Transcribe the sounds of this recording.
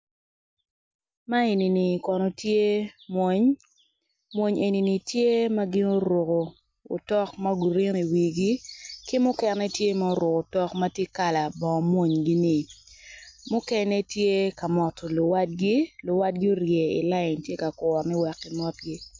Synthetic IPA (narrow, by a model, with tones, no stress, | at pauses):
ma˦e˨ni˨ni˨kɔ˨nɔ˨tje˦mwo˨˦ɲ | mwo˦ɲʔe˨ni˨ni˨tje˦ma˦ɡɪ˦no˦ɾo˨koː˨ | tɔ˦kma˦ɡu˨ɾi˦ni˨wi˨ɡi˦kɪ˦mʊ˦kɛ˨nɛ˦tje˦ma˦o˦ɾʊ˨ko˨tɔ˦kma˦tje˦ka˦la˨bɔ˨mwo˦˨ɲɡi˦nɪ˨ | mʊ˦kɛ˦nɛ˦tje˦ka˨mɔ˨tlʊ˨wa˦t̚ɡi˦lʊ˨wa˦t̚ɡɪ˦o˦ɾje˨ɪ̰˨la˦ɪ˨ntje˦ka˨kɔ˨rnɪ˦wɛ˨kːɪ˨mɔ˦tɡi˦